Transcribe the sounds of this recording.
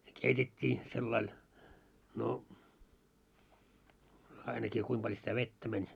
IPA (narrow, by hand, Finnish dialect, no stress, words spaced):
ne keitetʲːiː selːɑil no ɑinɑkiː kuim pɑlʲ sitæ ʋetːæ mænʲ